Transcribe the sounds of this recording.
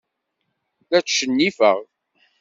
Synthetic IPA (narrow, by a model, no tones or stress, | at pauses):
θæt͡sʃənːifə̰ʁ